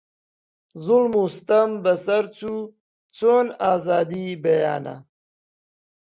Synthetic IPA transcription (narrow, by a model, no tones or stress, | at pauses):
zulmust̪ɐmbɐsɐɾt͡su | t͡soːnaːzaːd̪ibɐja̰ːna̰